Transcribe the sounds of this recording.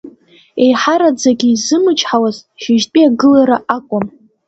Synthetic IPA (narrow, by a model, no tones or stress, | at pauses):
e̞jħaɾad͡zaɡʲiːzɨmɨt͡ʃʰʼħawazʃɪʒtʼiaɡɨlaɾaʔakʷʼʊm